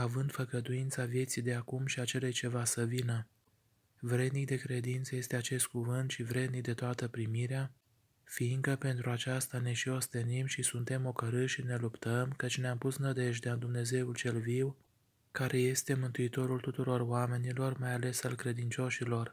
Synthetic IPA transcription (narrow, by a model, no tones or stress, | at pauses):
avɨnd̪fəɡəd̪uint̪savje̞t̪sijd̪e̞akumʃiat͡ʃe̞lejt͡ʃe̞vasəvinə | vɾe̞d̪nik̚d̪e̞kɾe̞d̪int̪səje̞st̪e̞at͡ʃe̞st̪̚kuvɨnt̪ʃivɾe̞d̪nik̚d̪e̞t̪oat̪əpɾimiɾea | fiŋkəpe̞nt̪ɾuat͡ʃast̪ane̞ʃio̞st̪e̞nimʃisunt̪e̞mo̞kəɾɨʃine̞lupt̪əmkət͡ʃʲneampusnəd̪e̞ʒd̪eand̪umne̞ze̞ult͡ʃe̞lviw | kaɾʔe̞je̞st̪e̞mɨnt̪uit̪o̞ɾult̪ut̪uɾo̞roame̞nilo̞rmajale̞salkɾe̞d̪int͡ʃo̞ʃilo̞r